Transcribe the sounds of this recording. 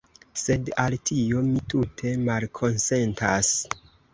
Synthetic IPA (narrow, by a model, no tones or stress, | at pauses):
se̞daltʰio̞mitutʰe̞malkʰo̞nse̞ntas